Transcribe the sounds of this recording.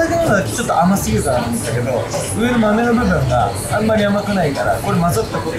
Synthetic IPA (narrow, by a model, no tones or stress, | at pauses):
akenoaakt͡ɕo̞t̪ːoamasɨɡʲiɯ̟kanat̪ɯmɯ̃d̪ake̞d̪o̞ | ɯ̟e̞ɾɯmame̞nobɯ̟bɯ̟̃ŋɡa | ãmːaɾʲiamakɯ̟naikaɾa̰ko̞ɾemazot̪ːako